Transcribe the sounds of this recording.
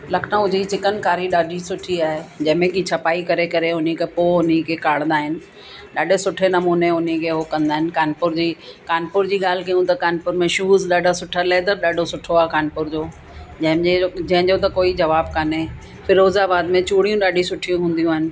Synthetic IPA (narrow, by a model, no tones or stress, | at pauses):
lɐkʰnãʊd͡ʑʱit͡ɕɪkənkaːɾiɗaːɖʱisʊʈʰiaːɦed͡ʑɐ̃ɦɪ̃mẽkit͡ɕʰɐpaːikɐɾekɐɾeʊnikepoːʊn̤ikʰekaːɽ̃nd̪aːɦɪnɪ̆ | ɗaːɖʱesʊʈʰenɐmuːneʊnikʰeɦokɐ̃nd̪aːɦɪnɪ̆kaːnpʊɾd͡ʑiːkaːnpʊɾd͡ʑiːɠaːl̤ɪkɐjũt̪ɐkaːnpʊɾmẽʃuːzɗaːɖʱasʊʈʰalaːɦed̪ɐɗaːɖʱosʊʈʰoaːɦkaːnpʊɾd͡ʑoː | d͡ʑɐ̃ɦɪ̃md͡ʑed͡ʑɐ̃ɦɪ̃d͡ʑot̪ɐkoːid͡ʑɐʋaːb̚kane | fʰɪɾoːzabaːd̪mẽt͡ɕuːɽ̤ijũɗaːɖʱisʊʈʰijũɦũːn̆d̪ijũaːɦɪnɪ̆